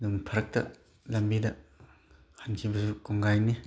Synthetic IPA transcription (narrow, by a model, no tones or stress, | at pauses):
numpʰɐɾɐk̚tɐ̰ | lɐmbidɐ | hansʰibɐsukuŋɡajni